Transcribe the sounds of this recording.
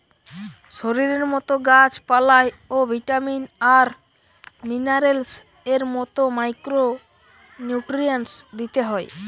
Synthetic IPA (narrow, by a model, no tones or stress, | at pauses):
ʃoɾiɾeɾmɔt̪oɡad͡ʑpalaeobʱiʈaminaɾ | minaɾels | eɾmɔt̪omajkɾo | njuʈɾiansd̪it̪eɦɔe